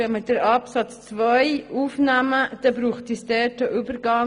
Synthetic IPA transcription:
ɛməd̥əɾɑpsɑt͡st͡svœɪuːfnæməd̪̥ɛbɾuːχtisdɛtəʔybəɾɡɑŋ

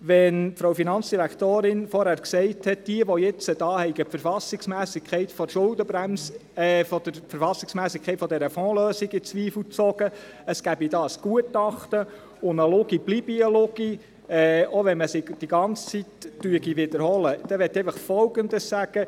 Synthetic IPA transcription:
ʋɛnfɾowfinɑnt͡sd̥iɾækʰt̪oːɾɪnfɔɾhæːɾksɛɪthɛt̚d̥iəʋɔjɛt͡səd̥ɑːhɛɪɡəpfəɾfɑsɪksmæːsɪkʰχɛɪtfɔʃʊldəbɾæmsfɔd̥̪əɾfəɾfɑsɪksmæːsɪkʰɛɪtfɔd̪ɛɾəfɔːløːsɪɡɪt͡sʋiːfl̩t͡sɔɡə | əsɡ̥æbidɑːəsɡ̥uətɑχt̪ə | ʊnəlʊɡib̥libiəlʊɡ̥i | ɛːoʋɛnməsɪɡd̥iɡɑnt͡st͡sitːyəɡiʋɪd̪əɾhɔləd̥ɛʋɛt̪ːɛɪfəχfɔlɡənd̪əssæɡ̥ə

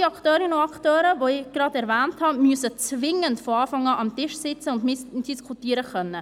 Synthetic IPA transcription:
ɑkχtøːɾɪnəʊɑkχtøːɾəʋoɪɡ̥ɾɑdɛɾvɛːnthɑmyəsət͡svɪŋəntfoɑːfɑŋɑːʔɑmtɪʃsɪt͡səʊndmɪsd̥iskʰutiːɾəχœnːə

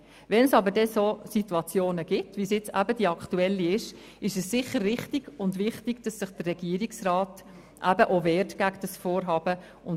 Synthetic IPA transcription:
vɛnsɑbəɾdɛsoːsituɑt͡sjoːnəɡ̥ɪtvisjɪt͡sæ̰bədiɑktuɛlːiɪʃ | ɪʃɛsːɪχːəɾʋɪχtiɡ̥ʊndvɪχtiɡ̥d̥ɑsːɪχd̥ərrɛɡ̥iəɾiksrɑːt | ʔæb̥əʔovɛːrtɡ̥æɡd̥ɑsfoːɾɦɑːb̥ə | ʊn

